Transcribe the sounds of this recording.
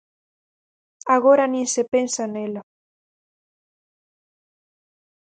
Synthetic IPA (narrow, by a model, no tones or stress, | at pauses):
aɣoɾanĩnsepensanela